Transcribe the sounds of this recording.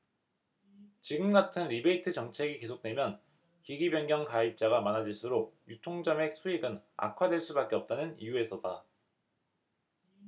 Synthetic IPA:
t͡ɕiɡɯmɡatʰɯnɾibe̞itʰɯt͡ɕʌŋt͡ɕʰe̞ɡike̞sʰok̚t͈we̞mjʌn | kiɡibjʌŋɡjʌŋkaip̚t͡ɕ͈aɡamanad͡ʑiɭs͈ʰuɾojutʰoŋd͡ʑʌme̞k̚sʰuiɡɯna̰kʰwadwe̞ɭs͈ubak͈e̞ʌp̚t͈anɯnḭjue̞sʰʌda

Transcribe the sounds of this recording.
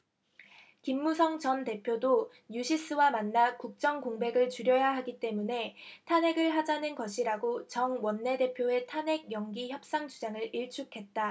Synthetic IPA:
kimːusʰʌŋt͡ɕʌnte̞pʰjodo | ɲuɕʰis͈ɯwamanːakuk̚t͡ɕ͈ʌŋkoŋbe̞ɡɯɭt͡ɕuɾjʌjaɦaɡit͈e̞mune̞tʰane̞ɡɯɭɦad͡ʑanɯnɡʌɕʰiɾaɡot͡ɕʌŋwʌnːe̞de̞pʰjoe̞tʰane̞ɡ̚jʌŋɡiçjʌp̚s͈aŋd͡ʑud͡ʑaŋɯɭʔiɭt͡ɕʰukʰe̞t̚t͈a

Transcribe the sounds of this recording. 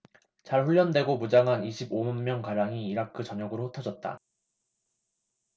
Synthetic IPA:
t͡ɕaɭɸuʎːʌndwe̞ɡomud͡ʑaŋɦaniɕʰibomʌnmjʌnkaɾaŋiːɾakʰɯt͡ɕʌɲʌɡɯɾohotʰʌd͡ʑʌt̚t͈a̰

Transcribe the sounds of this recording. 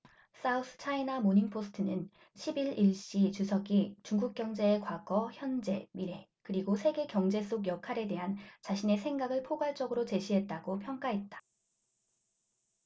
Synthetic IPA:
s͈ausʰɯ̥t͡ɕʰainamoɲiŋpʰosʰɯ̥tʰɯnɯn | ɕʰibiɭiɭɕ͈it͡ɕusʰʌɡit͡ɕuŋɡuk̚k͈jʌŋd͡ʑe̞ːkwaɡ̥ʌçjʌnd͡ʑe̞miɾe̞ | kɯɾiɡosʰe̞ɡe̞kjʌŋd͡ʑe̞s͈oɡjʌkʰaɾe̞de̞ɦant͡ɕaɕʰine̞sʰe̞ŋɡaɡɯɭpʰoɡwaɭt͡ɕ͈ʌɡɯɾot͡ɕe̞ɕʰiɦe̞t̚t͈aɡopʰjʌŋk͈aɦe̞t̚t͈ḁ

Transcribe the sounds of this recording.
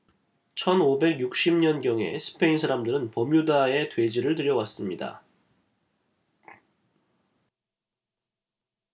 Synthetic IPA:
t͡ɕʰʌnobe̞ɡjuk̚ɕ͈imɲʌnɡjʌŋe̞̰sʰɯ̥pʰe̞insʰaɾamdɯɾɯnpʌmjudae̞twe̞d͡ʑiɾɯɭtɯɾjʌwas͈ɯmɲida̰

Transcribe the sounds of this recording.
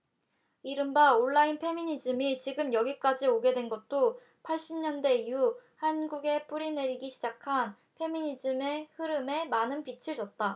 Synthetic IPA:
iɾɯmbaoɭːainpʰe̞miɲid͡ʑɯmit͡ɕiɡɯmjʌɡik͈ad͡ʑioɡe̞dwe̞nɡʌt̚t͈o | pʰaɭɕ͈imɲʌnde̞ijuhanɡuɡe̞p͈uɾine̞ɾiɡiɕʰid͡ʑakʰan | pʰe̞miɲid͡ʑɯme̞hɯɾɯme̞manɯnpit͡ɕʰiɭd͡ʑʌt̚t͈a

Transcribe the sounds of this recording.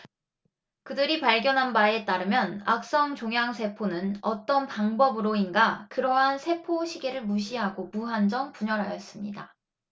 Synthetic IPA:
kɯdɯɾipaɭɡjʌnɦanbae̞t͈aɾɯmjʌna̰k̚s͈ʌŋt͡ɕoŋjaŋsʰe̞pʰonɯnʌt͈ʌnpaŋbʌbɯɾoinɡakɯɾʌɦansʰe̞pʰoɕʰiɡe̞ɾɯɭmuɕʰiɦaɡomuɦand͡ʑʌmpuɲʌɾɦajʌs͈ɯmɲida

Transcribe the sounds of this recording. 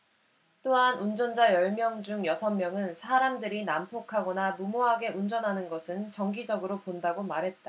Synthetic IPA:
t͈oɦanund͡ʑʌnd͡ʑajʌɭmjʌŋd͡ʑuŋjʌsʰʌmːjʌŋɯnsʰaɾamdɯɾinampʰokʰaɡʌnamumoɦaɡe̞ʔund͡ʑʌnɦanɯnɡʌsʰɯnt͡ɕʌŋɡid͡ʑʌɡɯɾopondaɡomaɾɦe̞t̚t͈a

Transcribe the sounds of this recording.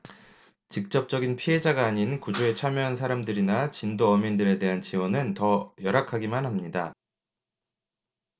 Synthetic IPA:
t͡ɕik̚t͡ɕ͈ʌp̚t͡ɕ͈ʌɡinpʰiɦe̞d͡ʑaɡaːɲinkud͡ʑoe̞t͡ɕʰamjʌɦansʰaɾamdɯɾinat͡ɕindoʌmindɯɾe̞de̞ɦant͡ɕiwʌnɯntʌjʌɾakʰaɡimanɦhamɲida

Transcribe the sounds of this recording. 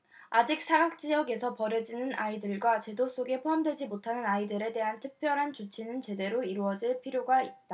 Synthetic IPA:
ad͡ʑik̚s͈ʰaɡak̚t͡ɕ͈ijʌɡe̞sʰʌpʌɾed͡ʑinɯnaidɯɭɡwat͡ɕe̞dos͈oɡe̞pʰoɦamdwe̞d͡ʑimotʰanɯnaidɯɾe̞te̞ɦantʰɯk̚pʰjʌɾɦant͡ɕot͡ɕʰinɯnt͡ɕe̞de̞ɾoiɾuʌd͡ʑiɭpʰiɾjoɡait̚t͈a

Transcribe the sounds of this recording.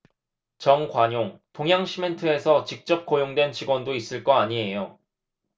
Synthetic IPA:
t͡ɕʌnkwaɲoŋtoŋɦjaŋɕʰimentʰɯe̞sʰʌt͡ɕik̚t͡ɕ͈ʌp̚k͈ojoŋdwe̞nt͡ɕiɡwʌndois͈ɯɭk͈ʌaɲie̞jo

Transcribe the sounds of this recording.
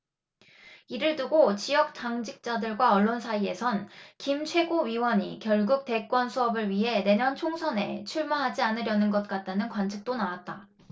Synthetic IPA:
iɾɯɭtuɡot͡ɕijʌk̚t͡ɕ͈aŋd͡ʑik̚t͡ɕ͈adɯɭɡwaʌɭːonsʰaie̞sʰʌnkimt͡ɕʰwe̞ɡoɥiwʌɲḭkjʌɭɡuk̚te̞k͈wʌnsʰuʌbɯɭɥiɦe̞ne̞ɲʌnt͡ɕʰoŋsʰʌne̞̰t͡ɕʰuɭmaɦad͡ʑianɯɾjʌnɯnɡʌt̚k͈at̚t͈anɯnkwant͡ɕʰik̚t͈onawat̚t͈a

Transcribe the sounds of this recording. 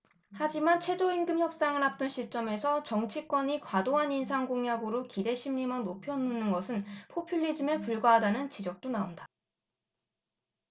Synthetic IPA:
had͡ʑimant͡ɕʰwe̞d͡ʑoinɡɯmçjʌp̚s͈aŋɯɭɦap̚t͈ɯnɕʰit͡ɕ͈ʌme̞sʰʌt͡ɕʌŋt͡ɕʰik͈wʌɲikwadoɦanins̬ʰaŋɡoŋjaɡɯɾokide̞ɕʰimɲimʌnopʰjʌnɯnɯnɡʌsʰɯnpʰopʰiʎːid͡ʑime̞puɭɡwaɦadanɯnt͡ɕid͡ʑʌk̚t͈onaondḁ

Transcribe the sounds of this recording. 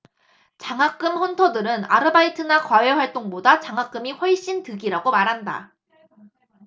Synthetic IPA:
t͡ɕaŋak͈ɯmɸʌntʰʌdɯɾɯna̰ɾɯbaitʰɯnakwaweɸwaɭt͈oŋbodat͡ɕaŋɦak͈ɯmiɸwʌɭɕ͈intɯɡiɾaɡomaɾɦanda̰

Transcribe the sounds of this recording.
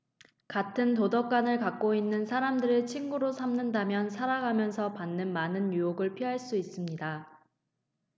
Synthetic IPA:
katʰɯntodʌk͈anɯɭkak̚k͈oinːɯnsʰaɾamdɯɾɯt͡ɕʰinɡuɾosʰamnɯndamjʌnsʰaɾaɡʱamjʌnsʰʌpanːɯnmanɯnjujoɡɯɭpʰiɦaɭs͈uis͈ɯmɲida

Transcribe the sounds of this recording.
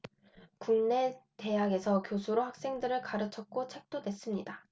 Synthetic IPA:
kuŋne̞te̞jaɡe̞sʰʌkjosʰuɾohak̚s͈e̞ŋdɯɾɯɭkaɾɯt͡ɕʰʌk̚k͈ot͡ɕʰe̞k̚t͈odwe̞s͈ɯmɲida

